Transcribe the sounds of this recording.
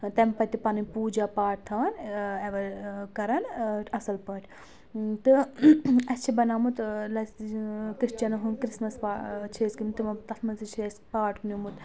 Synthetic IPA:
t̪ɐmpɐt̪ipɐnipuːd͡ʒapaːʈ̚t̪ʰɐʋɐneʋɐkɐɾɐnʈɐsɐlpɐːʈʲʰ | t̪ɨ | ɐst͡ʃʰibɐnaːmut̪lɐskɾist͡ʃɐnɐɦunkɾismɐspat͡ʃʰeːskimt̪imɐt̪ɐsʰmɐsit͡ʃʰespaːʈknumut̪

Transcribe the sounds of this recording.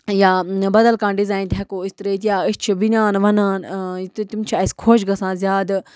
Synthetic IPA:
jaːbɐd̪ɐlkãːnɖizaːint̪ʰɛkoːist̪ɾeːt̪jaːitt͡ʃʰiʋinʲaːnʋɐnaːnt̪t̪imt͡ʃʰiɐskʰoːt͡ʃɡɐsãːzjaːd̪

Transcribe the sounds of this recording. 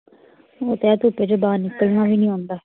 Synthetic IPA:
oːt̪eat̪uːped͡ʒobaːnɪkːəlmãːʋiːnĩːɦõːnd̪aː

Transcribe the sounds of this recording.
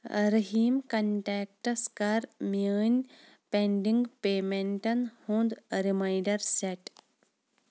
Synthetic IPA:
ɾɐɦiːmkɐɳʈeːk̚ʈɐskaːɾməːnʲ | peɳɖiŋɡpeːmeɳʈɐnhõːnd̪ɾimajɖɐɾseʈ

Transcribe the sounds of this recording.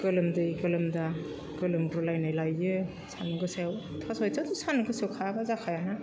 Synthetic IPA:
kɯlɯmdɯkɯlɯmda | ɡɯlɯmɡɾulajnajlajːɯ | sanuɡɯsewtʰasɔjtazusanuɡɯsewkʰabazakʰajana

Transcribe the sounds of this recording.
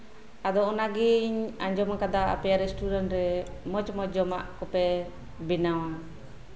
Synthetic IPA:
ad̪ɔɔnaɡiɲaɲd͡ʒɔmakad̪aʔa̰pɛjaɾɛsʈudanɾɛmɔt͡ʃmɔd͡ʒɔma̰ʔkɔpɛ | binawa

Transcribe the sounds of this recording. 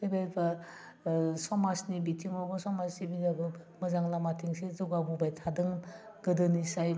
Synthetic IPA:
dɯbajbɐ | sɔmasnibitʰiŋɔbɐsɔmasnibiabɯmɐzaŋlamatʰiŋsezɔɡabubajtʰadɯŋ | ɡ̥ɯdɯnisaj

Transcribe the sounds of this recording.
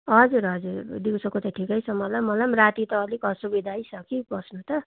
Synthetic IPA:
ɦʌd͡zuɾɦʌd͡zuɾd̪iwsokot̪ʌʈʰikʌjt͡sʰʌmʌlʌmːʌlʌmrat̪it̪ʌːlikʌsubid̪ʱajsʰʌkibʌsnut̪ʌ

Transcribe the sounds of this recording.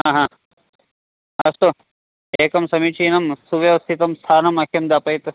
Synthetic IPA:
ɦãːɦãː | ɐst̪o | eːkɐmsɐmit͡ʃʰiːnɐmsuʋjeʋɐst̪ʰit̪ɐmst̪ʰaːnɐmɐkʰjɐmd̪apɐjt̪

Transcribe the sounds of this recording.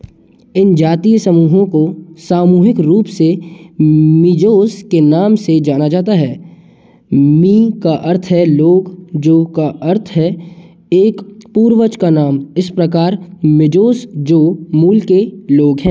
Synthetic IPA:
ɪnd͡ʒaːt̪iːjsəmuːɦõkosaːmuːɦɪkɾuːpse | mɪd͡ʒoːskenaːmsed͡ʒaːnad͡ʒaːt̪aɦɛː | mĩːkaʔəɾt̪ʰɦɛloːɡd͡ʒoːkaʔəɾt̪ʰɦɛ | eːkpuːɾʋət͡ʃkanaːmɪspɾɐkaːɾmɪd͡ʒoːsd͡ʒoːmuːlkeloːɡɦɛ̃ː

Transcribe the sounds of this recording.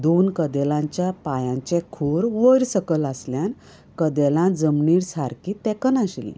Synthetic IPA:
d̪onkəd̪elãɲt͡ɕjapajãɲt͡ɕɛ̃kʰuɾʋəɾsəkələsljãn | kəd̪ɛlãd͡zəmniːɽsaɾkit̪ɛkənaɕlḭ̃

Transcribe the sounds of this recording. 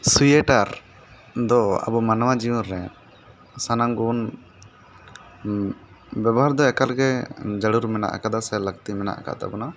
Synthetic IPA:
sujɛʈaɾ | d̪ɔa̰bɔmanwad͡ʒiunɾɛ | sanaŋɡun | bjabɔɦaɾd̪ɔɛkalɡɛd͡ʒəɽuɾmɛna̰ʔa̰kad̪asɛləɡt̪imɛna̰ʔa̰ka̰ʔt̪a̰bɔna

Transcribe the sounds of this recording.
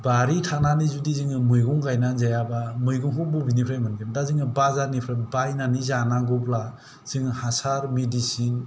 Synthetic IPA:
baɾitʰananizudiziŋɯmɯjɡɔŋɡajnazajabamɯjɡɔŋɦububinipʰɾajmanɡindaziŋɯbazaɾnipʰɾajbajnanizanaɡɔpla | z̥ɯŋhasaɾmedisin

